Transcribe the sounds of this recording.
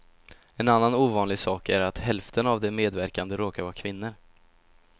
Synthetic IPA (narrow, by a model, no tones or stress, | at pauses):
ɛnanːanuːvɑːnlɪɡsɑːkæɾat̪hɛlft̪ʰənavd̪ɛmeːd̪væɾkand̪əɾoːkaɾvɑːkʰvɪnːəɾ